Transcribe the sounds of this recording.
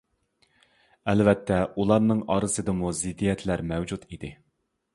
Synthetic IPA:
ɛlvɛt̪ʰːɛulˠɑɾnɨŋɑːɾɨzɨd̪ɨmuzɪd̪ːijɛt̪ʰlæɾmɛwd͡ʒut̪id̪ɪ

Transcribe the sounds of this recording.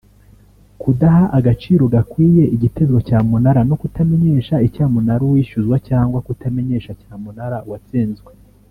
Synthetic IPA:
kudaɦaʔaɡat͡ʃiːɾo̞ɡakwiːje̞ʔiɟite̞zɡacaːmunaɾanokutame̞ɲe̞ːʃaicaːmunaɾuwiːʃuzɡwacaːŋɡwakutame̞ɲe̞ːʃacaːmunaɾauwat͡siːnzɡwe

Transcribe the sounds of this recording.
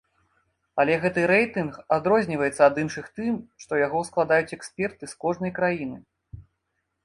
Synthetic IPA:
ɐlʲɛɣɛt̪ɨɾɛjt̪ɨnxad̪ɾɔzʲnʲivɐjɛt̪sɐːd̪ɨnʂɨxt̪ɨmʂt̪ɔjaɣɔwsklˠad̪ajut͡sʲɛksʲpʲɛrt̪ɨskɔʐnɐjkɾajinɨ

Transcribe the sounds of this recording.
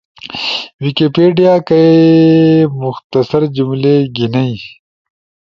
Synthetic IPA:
wikepeːɖijaːkɐe | mʊxt̪ɐsɐɾd͡ʑumleːɡinɐi

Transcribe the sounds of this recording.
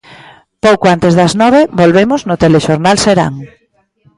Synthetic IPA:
powkoant̪ezðɐznɔβebolβemʊznʊt̪eleʃoɾnalseɾa̰ŋ

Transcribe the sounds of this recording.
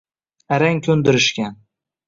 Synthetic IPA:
aɾaŋkʲʰɵnd̪ɪɾɪʃkʲan

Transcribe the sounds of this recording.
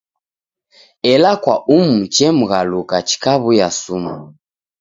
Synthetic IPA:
ɛlakwaum̩t͡ʃɛm̩ɣalukat͡ʃi̥kaβujasuma

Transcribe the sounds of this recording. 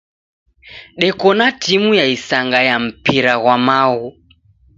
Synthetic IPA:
ɗɛkɔnatimujaisaŋɡajam̩piɾaɣwamaɣɔ

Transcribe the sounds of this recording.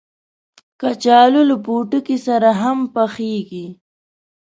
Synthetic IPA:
kat͡ʃɑluləpuʈukisaɾaɦampaxeɡi

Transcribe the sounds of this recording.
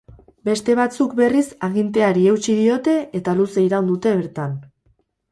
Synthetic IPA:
be̞st̪e̞β̞at͡suk̚be̞risaɣint̪e̞aɾie̞wt͡ʃiðio̞t̪e̞ʔet̪aluse̞iɾawnd̪ut̪e̞βe̞ɾt̪an

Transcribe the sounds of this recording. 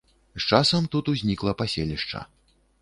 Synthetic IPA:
st͡ʂasɐmt̪ut̪uzʲnʲiklˠɐpasʲelʲiʂt͡ʂɐ̰

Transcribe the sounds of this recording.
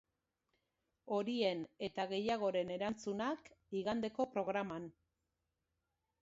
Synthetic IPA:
o̞ɾie̞ne̞t̪aɣe̞jaɣ̞o̞ɾe̞ne̞ɾant͡sunakiɣand̪e̞ko̞pɾo̞ɣ̞ɾaman

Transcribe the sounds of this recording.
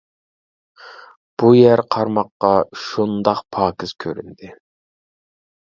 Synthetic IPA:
b̥ujɛɾqʰɑɾmɑqːɑʃund̪ɑqpʰɑːkʲiz̥kʲʰøɾynd̪ɪ

